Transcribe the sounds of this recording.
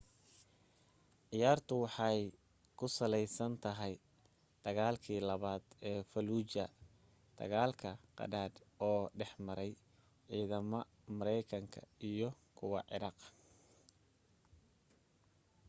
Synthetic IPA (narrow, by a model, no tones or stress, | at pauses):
ʕɪjaːrt̪ʰʊwɑħɑj | kʰʊsɐlɛjsɐnt̪ʰɐɦɛj | d̪̥ɐɣaːlkʰiːlɐβaːd̪ɛːfɐluːt͡ʃɐ | d̪̥ʰɐ̰ɣaːlkʰɐqɑ̰daːd̪ɔːɖɛħmɐɾɛj | ʕiːðɐmɔ | mɐɾɛjkʰɐŋkʰɐ̰ijɞ | kʰʊwɑ̰ʕɪ̰ɾɑːq